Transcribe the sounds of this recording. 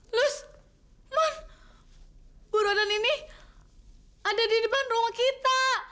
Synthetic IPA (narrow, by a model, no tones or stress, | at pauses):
lʊs | man | buɾadanini | adadidibanruŋakit̪a